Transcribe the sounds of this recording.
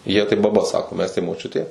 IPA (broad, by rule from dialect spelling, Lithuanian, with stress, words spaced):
jiɛ tɐɪ bɐˈbɐ ˈsɑːkoː ˈmʲɛs tɐɪ moːˈt͡ʃʲʊtʲeː